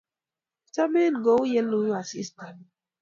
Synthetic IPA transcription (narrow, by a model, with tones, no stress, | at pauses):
ta˦me˦n˨ɡo˨˦u˦je˦lu˦ju˦a˨sḭ˦sta˨n